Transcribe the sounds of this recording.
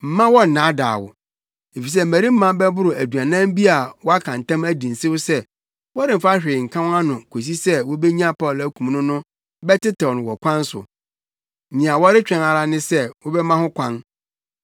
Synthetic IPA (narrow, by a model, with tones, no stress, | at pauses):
m̩˨mã˦wɔ˦n̩˨nã˨˦da̰ː˨wʊ̰˨ | e˨fi˨s̬ɛ˦m̩˨mæ̃˨ɾi˦m̩˦mã˦bɛ˦bʊ˦ɾʊ˨æ˨du˨a˨nã˦m˦bi˦a˨wɔ˦a˦kʰã˨n˨tʰã˦mæ˦dĩ˨n̩˨sɪ˦wʊ˦sɛ˦ | wɾɪ̃˨m̩˨fa˦ɕᶣɪ˨ɪ˨ŋ̩˨kʰã˦wa˦nʊ̃˨kʰo˨s̬i˦sɛ˦wɔ˦bɛ˦ɲ˦ã˦pʰaɔ˦˨læ˦kʰũ˨m˨nʊ̃˦nʊ̃˦ | bɛ˦tɪ˦tʰɛ˨nʊ̃˨wɔ˨kʷʰã˦n̩˦sʊ̰˨ | nĩ˨a˨wɔ˦ɾɪ˦t͡ɕᶣɛ̃˨na˨ɾa˦nɪ̃˦sɛ˦wɔ˦bɛ˦mã˦hʊ̃˦kʰʷã˦n